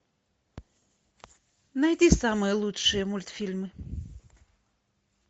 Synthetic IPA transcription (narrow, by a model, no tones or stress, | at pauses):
najdʲisamɨjəlˠutʂɨjəmulʲt̪fʲilʲmɨ